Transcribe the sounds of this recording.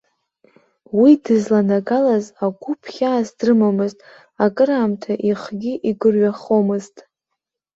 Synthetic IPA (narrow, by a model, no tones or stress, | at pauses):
widɨzlanaɡalazaɡʷʊpʰχʲaːsdrɨmamɨztʼ | akʼɨɾaːmtʰaʔiχɡʲiʔiɡɨrɥaχomɨztʼ